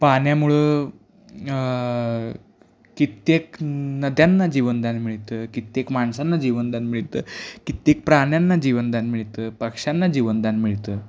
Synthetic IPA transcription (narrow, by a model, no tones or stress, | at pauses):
paɳjamuɭə | kit̪eknəd̪janːad͡ʑiʋənd̪anmiɭt̪əːkit̪jekmaɳsanːad͡ʑiʋənd̪anmiɭt̪əːkit̪jek̚pɾaɳjanːad͡ʑiʋənd̪anmiɭt̪əːpəkʂjanːad͡ʑiʋənd̪anmiɭt̪əː